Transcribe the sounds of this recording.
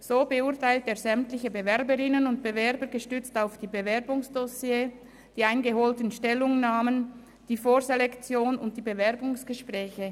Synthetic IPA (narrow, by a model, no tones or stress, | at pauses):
z̥oːbəʊɐtʰaɪlteːɐzɛmtlɪçəbevɛʁbəʁɪnənʊnt̚b̥əvɛɐbəɾɡəʃtʏt͡staʊfd̥iːbəvɛʁbʊŋsd̥ɔsjeː | d̥iːaɪnɡəɦoːltənʃtɛlʊŋnaːmən | d̥iːfoːɾzelɛkt͡sjoːnʊnt̚d̥iːbevɛʁbʊŋsɡ̥əʃpʁɛːçə